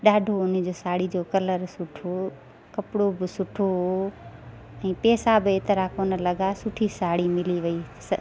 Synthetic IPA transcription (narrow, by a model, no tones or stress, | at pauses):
ɗaːɖʱoʊnə̆d͡ʑoːsaːɽid͡ʑoːkɐləɾsʊʈʰo | kɐpɽobɪsʊʈʰoɦo | ɛ̃ːpeːsabɪeːt̪əɾakoːnə̆lɐɠasʊʈʰisaːɽimɪliʋɐiːs